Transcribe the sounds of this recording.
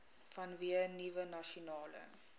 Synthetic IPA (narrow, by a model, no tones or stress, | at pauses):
fɐnviənivənaʃonɑːlə̰